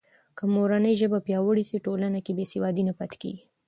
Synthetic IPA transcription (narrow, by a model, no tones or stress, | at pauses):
kəmoɾanəjʒəbapjɑwəɽisiʈolanakebesewɑd̪inapat̪kḛɡi